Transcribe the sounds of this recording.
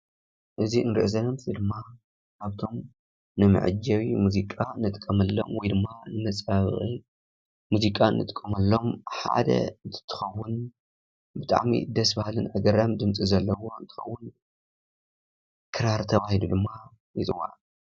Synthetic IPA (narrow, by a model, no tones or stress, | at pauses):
ʔɨziɨnɾɨʔzɐnɐmt̪ʰid̪ɨmːa | kaβt̪ʰo̞m | nɨmɨ̰ʕɨ̰d͡ʒɐwimuzikʼanɨt̪ʼkʼːɐmɐlːo̞̰mwɔjd̪ɨmːanɨmɐt͡sʼaβɨχʼi | muzikʼanːɨ̰t̪ʼkʼːɐmɐlːo̞mħa̰d̪ɐ̰ɨnt̪ʰɨ̥t̪ʰːɨ̥xɐwːʊn | bɨt̪ʼa̰ʕmḭd̪ɐsbahlɨnʔa̰ɡɐɾamd̪ɨmt͡sʼizɐlːɐwo̞ɨnt̪ʰɨ̥xɐwːʊn | kʰɨɾaɾt̪ʰɐβahilud̪ɨmːa | jɨt̪ʼɨwa̰ʕ